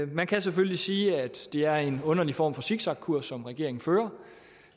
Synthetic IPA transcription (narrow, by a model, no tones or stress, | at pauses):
mænkʰæs̬eføllisiːæd̥d̥e̝æɐe̝nɔ̽nɐlifɒ̰ːmfɒ̽siɡ̥sɑ̈ɡ̥̚kʰuɐ̰sːɒ̽mʁɛɡ̥e̝ɐ̰e̝ŋn̩føːɐ